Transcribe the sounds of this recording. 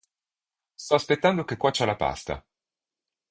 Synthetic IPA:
st̪ɔaspet̪ːand̪okekːwat͡ʃːalapa̰st̪a̰

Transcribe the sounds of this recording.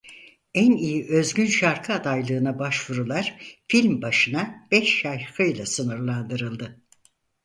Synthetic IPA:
ænijiʔø̞zɟynʃaɾkʰɯad̪ajlˠɯːnabaʃvuɾulˠaɾ̥filʲmbaʃɯnab̥ɛʃːajhɯjlˠasɯnɯɾlˠand̪ɯɾɯlˠd̪ɯ

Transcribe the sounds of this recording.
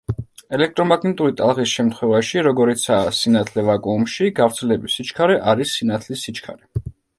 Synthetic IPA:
ɛlɛk̚ʰt̪ʼɾɔmaɡʰnit̪ʼuɾit̪ʼalˠʁisʃɛmt̪χwɛvaʃiɾɔɡɔɾit̪sʰaːsinat̪ʰlɛvakʼumʃiɡavɾt̪sʰɛlɛbisit͡ʃkʰaɾɛʔaɾisːinat̪ʰlisit͡ʃʰkʰa̰ɾɛ

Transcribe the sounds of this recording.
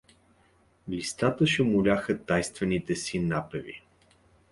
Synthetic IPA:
list̪at̪əʃɛmʊlʲaxət̪ajst̪vɛnit̪ɛsinapɛvḭ

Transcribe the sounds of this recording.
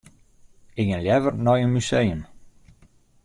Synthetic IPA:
ɪɡənljɛvərnɔjənmysejəm

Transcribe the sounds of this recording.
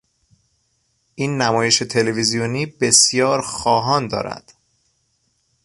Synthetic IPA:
ʔiːnːæmɒːje̞ʃet̪ʰe̞levizijoniːbe̞sjɒːɾxɒːɦɒːnd̪ɒ̰ːɾæ̰d̪̥

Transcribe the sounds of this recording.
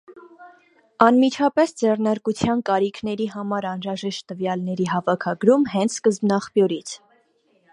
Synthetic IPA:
ɑnmit͡ʃʰɑpɛsd͡zɛrnɑɾkut͡sʰjɑnkɑɾikʰnɛɾiɦɑmɑɾɑnɾɑʒɛʃt̪ːəvjɑlnɛɾiɦɑvɑkʰɑɡɾumɦɛnt͡sʰskəzbnɑχpjɔɾit͡sʰ

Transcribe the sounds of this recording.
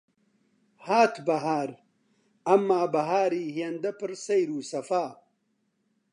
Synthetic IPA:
haːt̪ʰbɐɦaːɾ | ɐmːaːbɐɦaːɾiːhjɐnd̪ɐpɨɾsɐjɾuːsɐfaː

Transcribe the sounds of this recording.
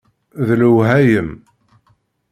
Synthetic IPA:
ðluwɦæjəm

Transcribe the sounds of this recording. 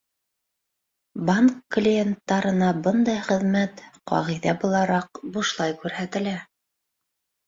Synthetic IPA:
baŋkːlʲijent̪ːɑɾɤ̆nɑbɤnd̪ɑjχɘ̆ðmæt̪qɑ̰ʁijðæbulˠɑɾɑqbuʃlˠɑjkʉɾɦæt̪ɘ̆læ

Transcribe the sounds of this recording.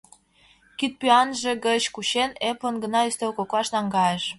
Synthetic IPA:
kyt̪̚pyɑnʒĕɡət͡ɕkuɕenepənɡə̆nɑyst̪elkoklɑʃnɑŋɡɑjeʃ

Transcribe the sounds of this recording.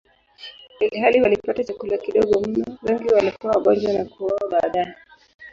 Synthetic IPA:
ɦaliwalipatat͡ʃakulakiɗɔɡɔm̩nawɛŋɡiwalikuwawaɓɔd͡ʒwanakuwawaɓaːɗajɛ

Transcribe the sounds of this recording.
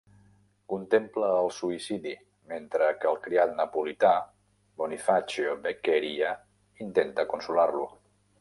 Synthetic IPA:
kunt̪empləːlˠsuisiði | ment̪ɾəkəlˠkɾiat̪̚nəpulit̪a | bonifat͡ʃiobekeɾia | int̪ent̪əkunsularlu

